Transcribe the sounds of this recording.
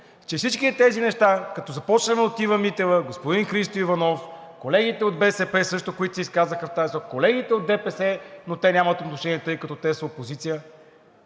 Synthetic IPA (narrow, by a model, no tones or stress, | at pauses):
t͡ʃɛfsit͡ʃkit̪ɛzinɛʃt̪akɐt̪ɔzɐpɔt͡ʃnəmɛot̪ivɐmit̪ɛvəɡospod̪inxɾist̪oivɐnɔf | kolɛɡ̟it̪ɛod̪̚bɛsɛpɛsɤʃt̪okoit̪siiskazəxəft̪aɛsɔkolɛɡ̟it̪ɛod̪̚d̪ɛpɛsɛnot̪ɛnʲamɐt̪ot̪noʃɛnʲiɛt̪ɤjkɐt̪ɔt̪ɛsəopozit̪sijə